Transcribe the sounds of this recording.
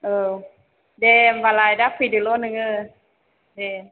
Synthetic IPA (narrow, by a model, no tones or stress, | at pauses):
ʔə | devalaːjdakʰidɯlonɯŋə | de